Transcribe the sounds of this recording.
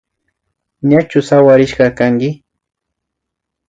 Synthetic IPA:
ɲat͡ʃʊsawaɾɪʃɢɑkaŋɡɪ

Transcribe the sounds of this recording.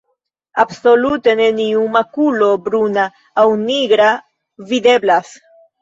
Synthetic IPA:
abso̞lut̪e̞ne̞niumakulo̞bɾunaː | wniɡɾa | vid̪e̞blas

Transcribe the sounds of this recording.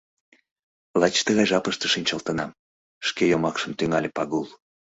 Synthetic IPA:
lɑt͡ɕt̪əɣɑjʒɑpəʃt̪əʃinʲt͡ɕəlt̪ənɑm | ʃkejomɑkʃəmt̪yŋɑlʲepɑɣulˠ

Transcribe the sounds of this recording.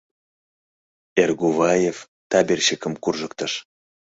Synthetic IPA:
erɡuvɑjef | t̪ɑbʲerʲɕekə̆mkurʒə̆kt̪ə̆ʃ

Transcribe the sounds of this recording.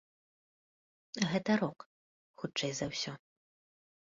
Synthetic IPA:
ɣɛt̪ɐɾɔk | xutt͡ʂɛjzɐwsʲɔ

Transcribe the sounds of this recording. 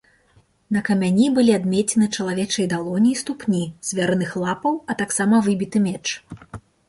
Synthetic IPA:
nɐkɐmʲanʲibɨlʲiad̪mʲɛt͡sʲɛnɨt͡ʂɐlˠavʲɛt͡ʂɐjd̪alˠɔnʲiːst̪upnʲiz̥ʲvʲɛɾɨnɨxlˠapɐwɐt̪aksamɐvɨbʲit̪ɨmʲɛt͡ʂ

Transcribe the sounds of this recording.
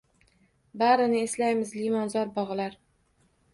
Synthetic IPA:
baɾɪnɪeslajmɪzlimɒnzɒɾbɒʁlaɾ

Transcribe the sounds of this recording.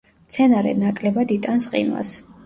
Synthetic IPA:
t̪sʰɛnaɾɛ̰nakʼlɛbad̪it̪ʼansqʼḭnwa̰s

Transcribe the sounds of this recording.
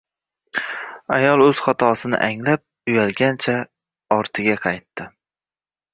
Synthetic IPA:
ajɒlˠɵz̥χɒt̪ʰɒsɪnɪ̰ʔaŋlap̚ | ʊjalɡʲant͡ʃʰa | ɒɾt̪ʰɪɡʲaqʰɑjt̪ʰːɪ

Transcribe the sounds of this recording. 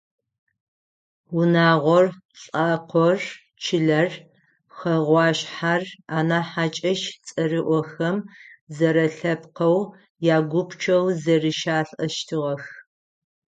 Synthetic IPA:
ʊnaːʁʷɔr | ɬʼaːqʷʰɔr | t͡ʃʰɪɮɐr | xɐʁʷɑːɕħaraːnaːħat͡ʃʼɐʃt͡sʼɐrɨʔʷɔxɐmzɐɾɐɬɐpqɐw | jaːɡʷʊpʰt͡ʃʰɐwzɐrɨʃaːɬʼʔɐʃtʰɨʁɐx

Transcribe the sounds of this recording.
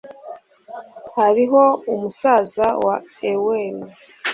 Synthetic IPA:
haɾiɦo̞umusaːzawaeweni

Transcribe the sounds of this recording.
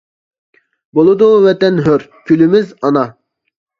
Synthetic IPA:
bolˠɨd̪uvɛt̪ɛnɦøɾkʲʰylymɪzɑnɑ

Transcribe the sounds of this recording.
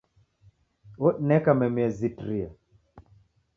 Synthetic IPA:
oɗnɛkamɛmiɛzitɾia

